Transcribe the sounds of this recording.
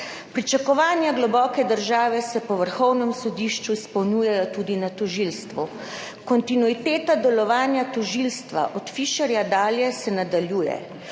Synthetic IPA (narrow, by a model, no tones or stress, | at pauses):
pɾit͡ʃakɔʋaːnjaɡlɔbɔːkɛd̪əɾʒaːʋɛsɛpɔʋəɾxɔwnɛmsɔd̪iʃt͡ʃuispɔwnjuːjajɔt̪uːd̪inat̪ɔʒilst̪ʋu | kɔnt̪inuit̪eːt̪ad̪ɛlɔʋaːnjat̪ɔʒilst̪ʋa̰ʔɔt̪fiːʃɛɾjad̪aːljɛsɛnad̪aljuːjɛ̰